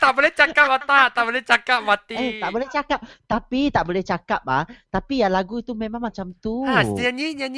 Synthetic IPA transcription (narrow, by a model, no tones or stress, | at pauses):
t̪aʔbolɛht͡ʃakap̚mat̪at̪aʔbolɛht͡ʃakap̚mat̪iɛt̪aʔbolɛht͡ʃakap̚t̪apit̪aʔbolɛht͡ʃakap̚laht̪apijalaɡuit̪umẽmãŋmat͡ʃamt̪uasianɲiɲan